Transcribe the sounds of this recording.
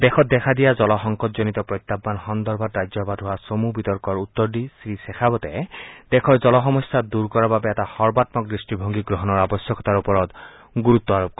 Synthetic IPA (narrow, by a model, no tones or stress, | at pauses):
d̪ɛxʰɔt̚d̪ɛkʰad̪ijazɔlɔxɔŋkɔt̚zonit̪ɔpɹɔjt̪ːapːanxɔnd̪ɔɹbʱatɹajd͡ʒjɔbadɦʊwasomubit̪ɔɹkɔɹut̪ːɔɹdisɹisɛxʰabɔtɛd̪ɛkʰɔɹzɔlɔxɔmɔsːad̪uɹkɔɹababɛɛtahɔɹbatmɔk̚ɡɹisʈibʱoŋɡiɡɹɔɦɔnɔɹabɔsjɔkʰɔ̥t̪aɹupɔɹɔt̪ | ɡuɹut̪ːɔaɹɔp̚k